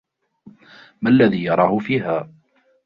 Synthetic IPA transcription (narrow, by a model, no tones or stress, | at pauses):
malːaðiːjɑɾˤɑːhʊfiːɦaː